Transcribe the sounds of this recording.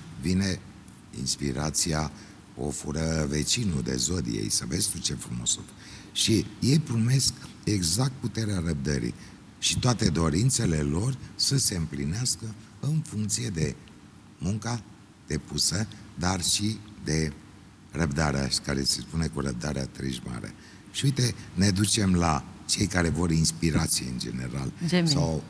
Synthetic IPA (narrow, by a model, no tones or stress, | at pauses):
vine̞ | ḭnspḭɾat̪sia | o̰fuɾəvet͡ʃinud̪e̞̰zod̪ḭjḛjsəve̞d̪st̪ut͡ʃefɾumo̰so | ʃije̞jpɾume̞sk | eɡzak̚t̪̚put̪e̞ɾeaɾəb̚d̪ə̰ɾḭ | ʃit̪oat̪e̞d̪o̞ɾint̪se̞le̞lo̞rsəse̞ɨmplineaskə | ɨnfuŋk̚t̪sije̞d̪e̞ | muŋka | d̪̥e̞pusəd̪arʃid̪e̞ | rəbd̪aɾḛa̰ʃkaɾe̞sespune̞kuɾəb̚d̪aɾea̰t̪ɾḭʒma̰ɾḛ | ʃiuit̪e̞ned̪ut͡ʃe̞mlat͡ʃe̞jkaɾe̞vo̞ɾinspiɾat̪sijeɨ̰nd͡ʒe̞̰ne̞̰ɾa̰lsaw